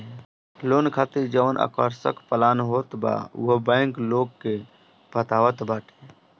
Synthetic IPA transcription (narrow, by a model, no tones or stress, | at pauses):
loːnkʰaːt̪iɾd͡ʒəʋnʔa̰kəɾsə̰kpəlaːnɦoːt̪ba̰ːɦbɛ̃ːŋkloːɡke | bʱət̪aːʋət̪baːʈʰe